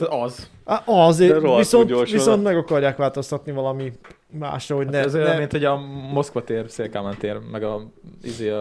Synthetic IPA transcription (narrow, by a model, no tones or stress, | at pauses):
ɒz | aɒzɾoviso̞ntoʋisont̪mɛɡɒkɒrjaːkʋaːlt̪o̞st̪ɒt̪nivɒlɒmi | ma̰ːʃrɒhoɟnɛɛzojɛmint̪hoɟɒmo̞skʋɒt̪eːrseːlkaːmɛnt̪eːrmɛɡɒḭzeː